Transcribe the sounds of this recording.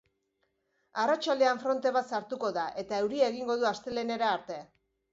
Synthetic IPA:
arat͡ʃald̪e̞aɱfɾo̞nt̪e̞βat̪saɾt̪uko̞ðaʔe̞t̪ae̞wɾiaeɣ̞iŋɡo̞ðuast̪e̞le̞ne̞ɾaːɾt̪e̞

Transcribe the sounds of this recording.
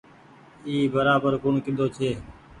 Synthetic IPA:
iːbəɾaːbəɾkʊɳkɪd̪ʱoːt͡ʃʰeː

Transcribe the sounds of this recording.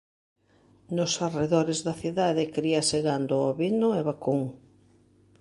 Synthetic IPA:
nʊsareðɔɾezðɐθiðaðɪkɾiɐseɣand̪ʊaβinʊɛβakuŋ

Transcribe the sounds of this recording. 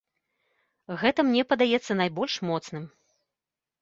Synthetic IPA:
ɣɛt̪ɐmnʲɛpɐd̪ajɛt̪sːɐnajbɔlʲʂmɔt̪snɨm

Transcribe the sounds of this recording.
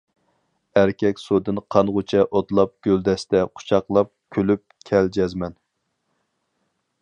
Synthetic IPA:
æɾkʲʰɛkʲsud̪ɨnqʰɑnʁʊt͡ʃʰɛʔot̪lˠɑp̚ɡ̥ʲøld̪ɛst̪ɛqʰʊ̥t͡ʃʰɑqlˠɑp̚kʲʰølyp̚kʲʰɛld͡ʒɛzmɛn

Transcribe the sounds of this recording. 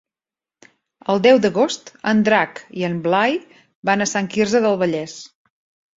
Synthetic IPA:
əlˠd̪ɛwd̪əɣost̪ənd̪ɾakiənmblaj | banəsaŋkirzəðəlˠβəʎɛs

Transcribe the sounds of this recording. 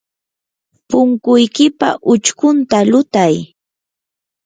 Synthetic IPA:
pʊŋkʊjkɪpa̰ʔʊt͡ʃkʊnt̪alʊt̪aj

